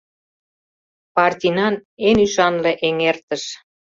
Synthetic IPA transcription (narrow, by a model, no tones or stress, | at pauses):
pɑrt̪ʲinɑnenyʃɑnlĕʔeŋert̪əʃ